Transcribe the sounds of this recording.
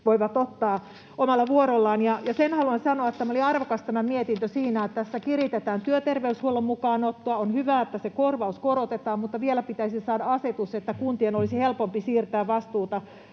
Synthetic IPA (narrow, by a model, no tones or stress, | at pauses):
ʋoiʋɑt̪ot̪ːɑː | omɑlːɑʋuoɾolːɑːnjɑjɑsenhɑluɑnsɑnoɑt̪t̪ːæmoliɑrʋokɑst̪æmːæmiet̪int̪øsiːnæːt̪æsːækirit̪et̪æːnt̪yøt̪erʋeyshuolːemmukɑːnot̪ːoɑonhyʋæːet̪ːæsekorʋɑuskoɾot̪et̪ɑːmmut̪ːɑʋielæpit̪æisisɑːdɑɑset̪uset̪ːækunt̪ienolisihelpompisiːrt̪æːʋʋɑst̪uːt̪ɑ